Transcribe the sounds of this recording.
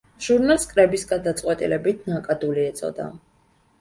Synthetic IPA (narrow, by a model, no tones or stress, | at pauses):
ʒ̥uɾnalˠskʼɾɛbisɡad̪at̪sʼqʼwɛt̪ʼilɛbit̪ʰnakʼad̪uliɛt̪sʼɔ̰d̪a̰